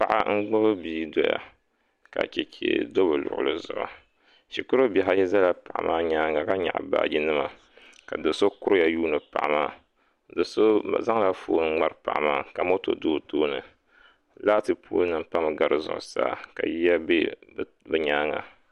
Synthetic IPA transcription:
pa˨ʔa̰˦ŋ̩˦ɡ͡bo˦bɨ˦biː˦do˨ja̰˨ | ka̰˨t͡ʃɛ˨t͡ʃḛ˨do˦bɨ˨lʊ̰˨ʔʊ̰˨lɨ˦zʊ̰˨ʔʊ̰˨ | ʃi˨kʊ˦ɾo˦bɛ˨ɦa˦jɛ˦za˦la˨pa˨ʔa̰˨mʔaː˦ɲaː˦ŋa˨ka˦ɲa̰˨ʔa̰˨ba̰ː˦˨ɡi˦nɨ˦ma˨ | ka˨dɨ˨so˦kʊ˦ja˨juː˦nɨ˨pa˨ʔa˨maː˦ | dɨ˨so˦˨za˦ŋ˦la˨foː˦n˦ŋ͡ma˦ɾɨ˦˨pa˨ʔa˨maː˦˨ka˨mo˦to̰˨doː˦toː˦nɨ̰˨ | la˦tɨ˨pʰoː˦nɨ˦m˦pa˦m˨ɡa˨ɾɨ˨zʊ̰˨ʔʊ̰˨sa̰ː˦ka̰˨ji˦ja˦be˦ | bɨ˦ɲaː˦ŋa˨

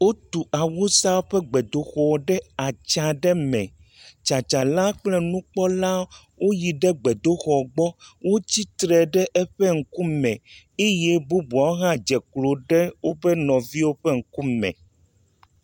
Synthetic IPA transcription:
wo˦t̪u˨ʔa˨wu˦sa˦wo˦ɸɛ˦ɡ͡bɛ˨d̪o˦xɔ˨ɖɛ˦a˨t͡ʃa˨ɖɛ˦mɛ̰̃˨ | t͡ʃa˨t͡ʃa˨la˦k͡plɛ˦nũ˦k͡pɔ˦la˦ | wo˦ji˨ɖɛ˦ɡ͡bɛ˨d̪o˦xɔ˨ɡ͡bɔ˦wo˦t͡ɕi˦t̪ɾɛ˨ɖɛ˦ʔɛ˦ɸɛ˦ŋ̩˦ku˦mɛ̃˨ | e˦jɛ˦bu˦bu˨a˨wo˦ɦã˦d͡ʒɛ˨klo˨ɖɛ˦wo˦bɛ˦nɔ̃˨vi˦wo˦ɸɛ˦ŋ̩˦ku˦mɛ̰̃˨

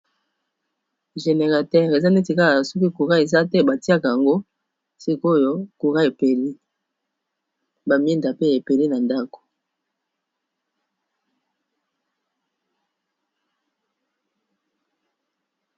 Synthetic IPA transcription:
ʒe˨ne˨ʁa˨tɛ˦˨ʁe˨za˦ne˦ti˨ka˦a˨sɔ˦ki˦ku˨ʁa˦e˨za˦tɛ˦ba˨ti˦a˦ka˨a˨ŋɡo˦ | si˦ko˦jo˦ku˨ʁa˦e˨pe˨li˦ | ba˨mi˦nda˨pe˦e˨pe˨li˦na˨nda˦ko̥˨

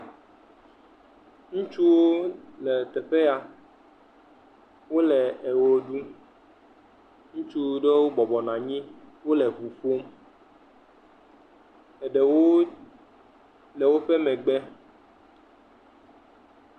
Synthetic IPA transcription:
ŋũ˦t͡ʃu˦wo˦lɛ˨t̪ɛ˨ɸe˦ja˨ | wo˦lɛ˨ɛ˨wo˦ɖu˦ | ŋũ˦t͡ʃu˦ɖe˦wo˦bɔ˨bɔ˨nã˨ɲĩ˦wo˦lɛ˨vu˨fo˦m | ɛ˨ɖɛ˨wo˦ | lɛ˨wo˦ɸɛ˦mɛ̃˨ɡ͡bɛ˦

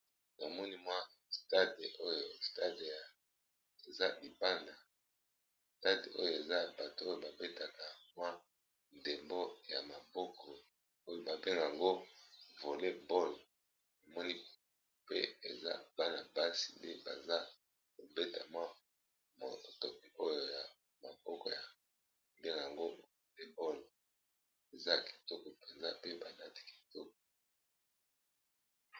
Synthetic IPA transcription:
na˨mɔ˦ni˦mwa˦ | sta˦de˨o˦jo˨sta˦de˨ja˨ | e˨za˦li˨ba˦na˨ | sta˦de˨ʔo̰˦jo˨e˨za˦ba˨to˨˦o˦jo˦˨ba˨be˦ta˨ka˨mwa˦ | nde˨mbo˦ja˨ma˨bɔ˦kʰɔ˨ | o˦jo˨ba˨be˦ŋɡa˨ŋɡo˦vo˨le˦bo˦l | na˨mɔ˦ni˦ | pe˦e˨za̰˦b̥a˦na˨ba˦si˨nde˦ba˨za˦ | ko˨be˦ta˨mwa˦ | mo̰˨to˨o˦jo˨ja˨ | ma˨b̥ɔ˦kɔ˨ja˨ | be˦ŋɡa˨ŋɡo˦˨vo˨le˦bɔ˦l | e˨za˦ki̥˨to˦kɔ˨pe˨nza˦pe˦ba˨na˦ti̥˨ki̥˨to˦kɔ˨

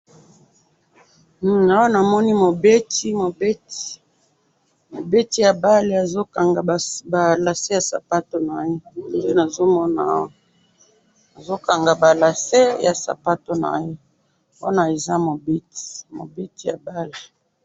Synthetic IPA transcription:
a˦wa˦na˨mɔ˦ni˦mo˨be˦ti˦mo˨be˦ti̥˨ | mo˨be˦ti˦ja˨ba˦le˨a˨zo˦ka˨ŋɡa˨ba˨la˨se˦ja˨sa̰˨pa˦to˦na˨je˦˨e˦na˨zo˦mɔ˦na̰˨˦wo˨ | na˨zo˦ka˨ŋɡa˨ba˨la˨se˦ja˨sa̰˨pa˦to˦na̰˨je˦ | po˦na˨e˨za˦mo˨be˦ti̥˨mo̰˨be˦ti˦ja˨ba˦le˨

